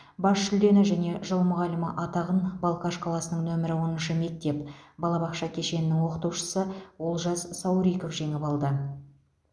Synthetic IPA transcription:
bɑʃʃʏld̪e̞nɪʒæne̞ʒəlˠmʊʁɑlɪməʔɑt̪ɑʁənbɑlˠkɑʃqʰɑlˠɑsənəɴŋnɵmɪɾɪwo̞nənʃəme̞k̚t̪e̞pbɑlˠɑbɑqʃɑkʲʰe̞ʃe̞nɪnɪŋwo̞qət̪uwʃə̥səwo̞lˠʒɑzsɑwɾijkofʒe̞ŋɪpɑlˠd̪ə

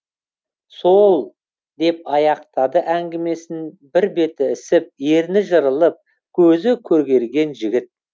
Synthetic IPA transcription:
so̞lˠ | d̪e̞p̚ɑjɑqt̪ɑd̪əʔæŋɡʲɪme̞sɪn | bɪɾbe̞t̪ɪɪsɪp̚jeɾnɪʒəɾəlˠəp̚ | kʲʰɵzɪkʲʰɵɾɡʲe̞ɾɡʲe̞nʒɪɡʲɪt̪̚

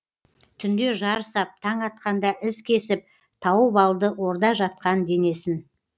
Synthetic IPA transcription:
t̪ʰʏnd̪e̞ʒɑɾəsɑp̚t̪ʰɑɴɑt̪̚qɑnd̪ɑʔɪskʲʰe̞sɪp̚ | t̪ʰɑwəbɑlˠd̪əwo̞ɾd̪ɑʒɑt̪̚qɑnd̪e̞ne̞sɪn

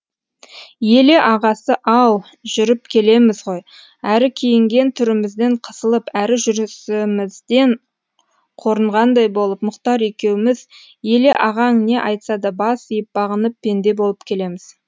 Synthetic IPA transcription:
je̞le̞ʔɑʁɑsəʔɑw | ʒʏɾɪp̚kʲʰe̞le̞mɪzʁo̞j | æɾɪkʲʰejɪŋɡʲe̞nt̪ʰʏɾɪmɪzd̪e̞ɴqʰə̥səlˠəpæɾɪʒʏɾsɪmɪzd̪e̞ɴ | qʰo̞ɾəɴʁɑnd̪ɑjbo̞lˠəpmʊqt̪ɑɾekʲe̞wɪmɪz | je̞le̞ʔɑʁɑŋne̞ʔɑjt̪sɑd̪ɑbɑsijəp̚bɑʁənəpʰːe̞nd̪e̞bo̞lˠəpkʲʰe̞le̞mɪz̥

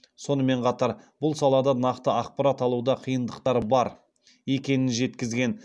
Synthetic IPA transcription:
so̞nəme̞ɴqʰɑt̪ɑɾb̥ʊlˠsɑlˠɑd̪ɑnɑqt̪əɑqpɑɾat̪ɑlˠuwd̪ɑqʰijənd̪əqt̪ɑɾbɑɾ | je̞kʲe̞nɪnʒe̞t̪kʲɪzɡʲe̞n

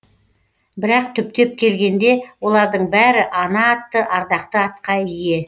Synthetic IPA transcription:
bɪɾɑq̚t̪ʰʏp̚t̪e̞p̚kʲʰe̞lɡʲe̞nd̪e̞wo̞lˠɑɾd̪əɴbæɾɪʔɑnɑːt̪ːəʔɑɾd̪ɑqt̪əɑt̪̚qɑjije̞

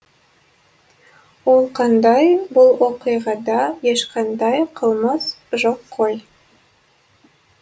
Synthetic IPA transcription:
wo̞lˠqʰɑnd̪ɑjbʊlˠwoqɨjʁɑd̪ɑjeʃqʰɑnd̪ɑjqʰəlˠməsʒoqʰːoj

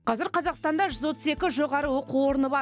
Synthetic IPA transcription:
qʰɑzɪɾqʰɑzɑqst̪ɑnd̪ɑʒʏzwo̞t̪ʰəse̞kʲɪʒo̞ʁɑɾəwo̞quwo̞ɾənəbɑ

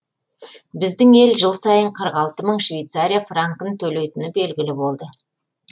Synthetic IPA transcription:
bɪzd̪ɪŋe̞lʒəlˠsɑjəɴqʰəɾqɑlˠt̪əməɴʃvʲejt̪saɾʲijafraŋkənt̪ʰɵle̞jt̪ɪnɪbe̞lɡʲɪlɪbo̞lˠd̪ə

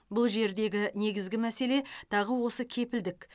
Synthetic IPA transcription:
bʊlˠʒe̞ɾd̪e̞ɡʲɪne̞ɡʲɪzɡʲɪmæse̞le̞t̪ʰɑʁəwo̞səkʲʰe̞pɪld̪ɪk

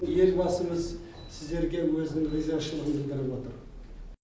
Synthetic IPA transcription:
je̞lbɑsəɴəz | sɪzd̪e̞ɾɡʲe̞wɵzɪnɪŋlizzeʃəlˠʁənd̪ənˠd̪əɾəpwo̞t̪əɾ

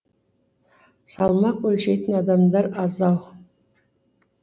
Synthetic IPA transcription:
sɑlˠmɑqwɵlʃejt̪ʰənɑd̪ɑmd̪ɑɾɑzɑw

